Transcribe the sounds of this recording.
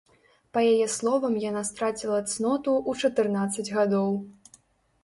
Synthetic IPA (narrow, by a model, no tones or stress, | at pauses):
pɐjajɛslˠɔvɐmjanast̪ɾat͡sʲilˠɐt̪snɔt̪uʔut͡ʂɐt̪ɨrnat̪sːɐd͡zʲɣad̪ɔw